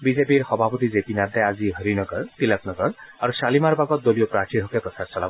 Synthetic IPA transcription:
bizepiɾxɔbʱapɔt̪izepinad̪aaziɦəɾinɔɡɔɾt̪ilap̚nɔɡɔɾaɾusalimaɾbaɡɔt̪̚d̪olijɔpɾaʈʰiɾʱɦɔkapɔt̪ʰasɔla

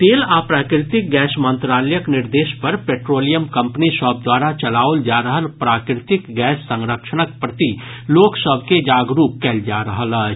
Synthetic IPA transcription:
t̪eːlaːpɾaːkɾɪt̪ɪk̚ɡɛːsmə̃nt̪ɾaːləjəknɪɾd̪eːʃpɐɾpeːʈɾoːlijəmkɐ̃mpnisɔːb̚d̪waːɾat͡ʃɐlaːold͡ʒaːɾəɦəlpɾaːkɾɪt̪ɪkɡɛːsːə̃ŋɾəkʃəɳək̚pɾət̪i | loːksəbʱked͡ʒaːɡɾuːp̚kɛːld͡ʒaːɾəɦələː

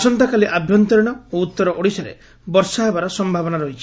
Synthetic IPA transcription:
sɔnt̪akaliʔabʱjɔnt̪ɔɾiɽ̃ɔout̪ːɔɾɔʔoɽisaɾḛ | bɔɾsaɦebaɾɔsɔmbʱabɔnaɾɔɦit͡ʃʰi̥

